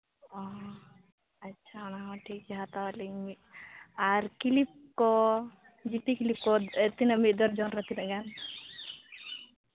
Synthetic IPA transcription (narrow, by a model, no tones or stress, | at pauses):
ɔɦ | atːʃʰanaɦɔ̃ʈʰik̚d͡ʒɛɦat̪awalimi | aɾkilip̚kɔ | d͡ʒit̪ikilip̚kɔet̪inəmit̪̚d̪ɔɾd͡ʒɔnɾat̪inaɡan